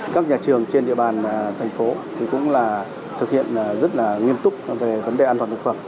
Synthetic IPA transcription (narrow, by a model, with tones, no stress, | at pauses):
kaː˦˥k̚ɲaː˨˩t͡ɕɨ˨˩əŋt͡ɕe˧nɗḭ˧˨əɓaː˨˩nt̪ʰɛ˨˩jŋ̟fo˨˦t̪ʰi˨˩kʊ̰˧˥ŋ͡mlaː˨˩ | t̪ʰɨ˨˩k̚hḭ˧˨ənzə˦˥t̚laː˨˩ŋi˧əmt̪ʊ˦˥k͡p̚ve˨˩və˨˦nɗe˨˩ʔaː˧t̪waː˨˩t̪ɨ˨˩kfə˧˩m